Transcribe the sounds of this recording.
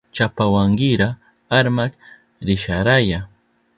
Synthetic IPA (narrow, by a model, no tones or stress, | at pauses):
t͡ʃapawaŋɡɪɾa | aɾmak | ɾɪʃaɾaja